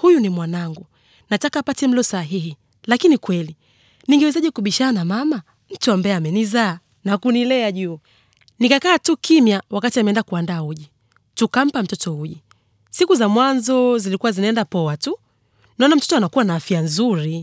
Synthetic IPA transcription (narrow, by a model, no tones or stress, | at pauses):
hujunimwanaŋɡu | natakaːpatɛm̩lɔsaɦihi | lakinikwɛli | niŋɡɛwɛzaʄɛkuɓiʃanamama | m̩tuambaɛamɛnizaː | nakunilɛaʄuː | nikakaːtukimjawakatiamɛndakuandaːuʄi | tukam̩pam̩tɔtɔhuʄi | sikuzamwanzɔzilikuwazinaɛndapɔwatu | naɔnam̩tɔtɔanakuwanaːfianzuɾi